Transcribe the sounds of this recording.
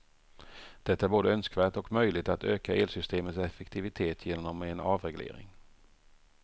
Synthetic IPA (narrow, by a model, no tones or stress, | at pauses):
d̪̥ɛt̪ːaæɾboːd̪əœnskvæːʈɔkmœjlɪt̪at̪øːkaʔeːlsʏst̪eːmət̪sɛfɛkt̪ʰɪvɪt̪ʰeːt̪ʰjeːnɔmɛnɑːvɾɛɡlḛːɾɪ̰ŋ